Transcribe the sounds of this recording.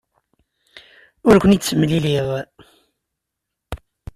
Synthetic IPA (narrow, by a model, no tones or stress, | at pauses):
ʊɾkʷənit͡sːəmliliðˤ